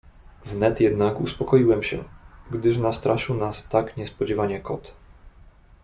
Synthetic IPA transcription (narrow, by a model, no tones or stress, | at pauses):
vnɛt̪jɛd̪nakuspɔkɔjiwɛmɕɛ̰ɡd̪ɘʂnast̪ɾʔaʂɘwnast̪akɲɛspɔd͡ʑɛvaɲɛkɔt̪